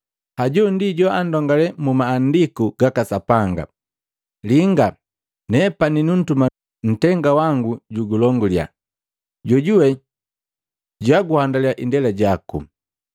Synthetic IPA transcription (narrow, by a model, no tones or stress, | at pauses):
haɟɔndiɟɔandɔŋɡalɛmumaːndikuɡ̥akasapaŋɡa̰ | liŋɡa | nɛpaninun̩tuma | n̩tɛŋɡawaŋɡuɟuɡulɔŋɡulja̰ | ɟɔɟuwɛ | ɟaɡuhandaliaʔindɛlaɟakṵ